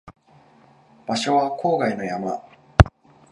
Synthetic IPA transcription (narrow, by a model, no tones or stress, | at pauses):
b̥aɕo̞βakʰo̞ːɡaino̞jama